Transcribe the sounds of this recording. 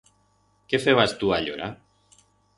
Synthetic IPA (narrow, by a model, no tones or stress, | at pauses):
kefeβast̪uaʎo̰ɾa